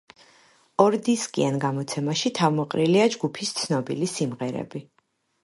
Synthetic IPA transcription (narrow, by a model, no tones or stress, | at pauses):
ɔɾd̪iskʼḭanɡamɔt̪sʰɛmaʃit̪ʰavmɔqʼɾiliad͡ʒɡupʰist̪sʰnɔbilisimʁɛɾɛ̰bi